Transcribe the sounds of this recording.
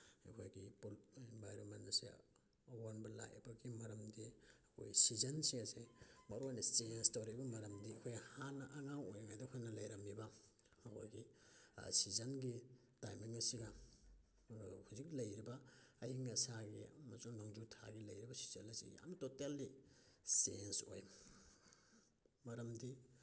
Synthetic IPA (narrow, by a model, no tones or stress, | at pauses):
ekʰojɡipoinbʱajɾomenɐsḛ | awonbɐla̰j̰bɐɡimɐɾɐmdiɐkʰo̰jsizɐnsiŋasemɐɾoajnɐstenstoɾibɐmɐɾɐmdiɐkʰojhanɐʔaŋawojaŋajdakʰonɐlɐjɾɐmibaː | kʰo̰jɡḭ | sizɐnɡi | tajmiŋɐsiɡɐ | huzik̚lɐjɾibɐːhiŋɐsaɡimɐsuŋnoŋd͡ʒutʰa̰ɡilɐjɾibɐsi̥zɐnɐsḭja̰mtotalːi | senso̰j | mɐɾɐmdi